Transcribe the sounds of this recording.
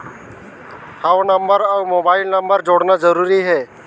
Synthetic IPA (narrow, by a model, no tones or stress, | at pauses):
hawnəmbəɾawmobaɪlnəmbəɾd͡ʒoɽnad͡ʒəɾuɾiɦɛː